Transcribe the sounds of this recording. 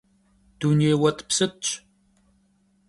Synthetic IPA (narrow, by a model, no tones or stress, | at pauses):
d̥unewɐt̪ʼpsɨtɕʼ